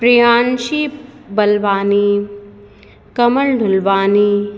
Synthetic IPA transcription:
pɾijaːnʃibɐlʋaːni | kɐməɭɖʱʊlʋaːni

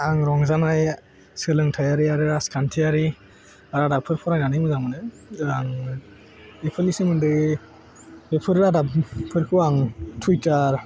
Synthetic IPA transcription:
aŋɾɔŋzanaj | skɯlɯŋtʰajaɾiaɾɯɾaskʰantʰiaɾi | aɾadapʰɯɾpʰɔɾajnanɯmɯzamɯnɯ | aŋ | epʰɯlnisɯmɯndɯ | bepʰɯɾɾadappʰɯɾkʰɯaŋtʰutaɾ

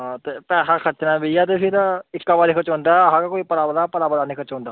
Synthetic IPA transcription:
ɦãːt̪eːpɛːsaːkʰət͡ʃnaːbiːaːt̪eːpʰɪɾɪkːaːbaːɾɪkʰət͡ʃɦõːnd̪aːɦãːkakoːiːpəlaːbəlaːpəlaːbəlaːnĩːkʰət͡ʃɦõːnd̪aː

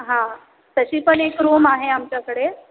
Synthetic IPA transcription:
ɦã | t̪əɕiːpəɳekɾoːmaɦeamt͡ɕjakəɽe

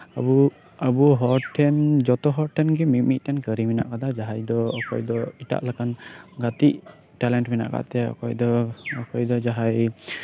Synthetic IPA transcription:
a̰bu | abuɦɔɾʈʰɛnd͡ʒɔt̪ɔɦɔɾʈʰɛnɡɛmimiʔ̚ˀt̪ʰɛnkəɾimina̰ʔkad̪ad͡ʒaɦajd̪ɔːkʰɔ̰jd̪ɔita̰ʔlakʰanɡat̪iʔ | ʈɛlɛɳʈmina̰ʔka̰ʔt̪ɛɔ̰kɔ̰jd̪ɔɔkʰɔjd̪ɔd͡ʒaɦaj

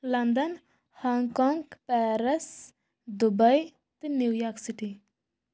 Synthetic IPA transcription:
lɐnd̪ɐn | hɔŋkɔŋɡpɛːɾɐs | d̪ubɐj | t̪ɨnjuwjɔːksiʈi

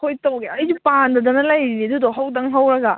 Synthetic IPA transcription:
kʰojtɐwɡeɐjzupandɐdɐnɐlɐjɾinidudɔɦawdɐŋɦawɾɐɡɐ

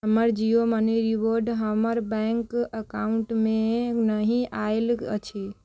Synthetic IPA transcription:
ɦəməɾd͡ʒijoməniɾiʋoɾɖɦəməɾbɛŋkəkauɳʈmenəɦĩʔaelə̰t͡ʃʰi

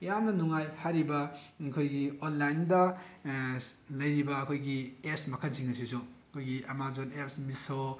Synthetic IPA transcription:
jamnɐnuŋajhaɾibɐkʰojɡionlajndɐ | lɐjɾibɐːkʰojɡiepsmɐkʰansiŋɐsisuɐkʰojɡiʔɐmazonepsmiso

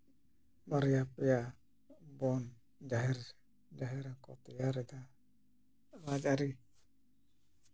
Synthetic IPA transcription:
maɾijapija | bɔn | d͡ʒaɦir | d͡ʒaɦiɾaŋkot̪ijaɾid̪a | lad͡ʒaɾi

